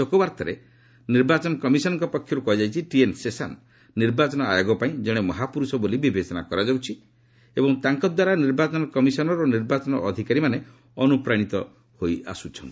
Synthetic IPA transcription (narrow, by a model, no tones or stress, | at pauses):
okɔbaɾt̪ʰɔɾḛ | niɾbat͡ʃɔnɔkɔmisɔnɔŋkɔpɔkʰːjɔɾukɔɦid͡ʒajt͡ʃʰiʈiensesa̰n | niɾbat͡ʃɔnɔa̰joɡɔpaĩd͡ʒɔɽ̃emɔɦapuɾusɔbolibibʱesɔna̰kɔɾad͡ʒawt͡ʃʰi | ebɔŋt̪aŋkɔd̪waɾaniɾbat͡ʃɔnɔkɔmisɔnɔɾoniɾbat͡ʃɔnɔʔːd̪ʱikaɾimane | ɔnupɾaɽ̃it̪ɔ | hoja̰sut͡ʃʰɔnt̪i̥